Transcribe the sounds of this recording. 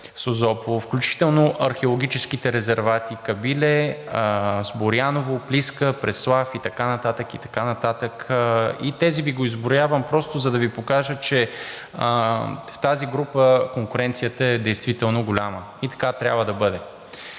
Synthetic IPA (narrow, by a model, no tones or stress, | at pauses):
sozɔpolˠofklʲut͡ʃi̥t̪ɛlˠnoʔɐɾxɛolˠoɡʲit͡ʃɛskit̪ɛɾɛzɛɾvat̪ikɐbilɛ | zboɾjanovopliskəpɾɛslˠafit̪ɐkanɐt̪at̪əkit̪ɐ̥kanɐt̪at̪əkit̪ɛziviɡoizbʊɾjavəmpɾɔst̪ʊzɐd̪ɐvipokaʒət͡ʃɛ | ft̪aziɡɾupəkoŋkʊɾɛnt̪sijət̪əɛd̪ɛjst̪vit̪ɛlˠnoɡʊlʲamə | it̪ɐ̥kat̪ɾʲabvəd̪ɐbɤd̪ɛ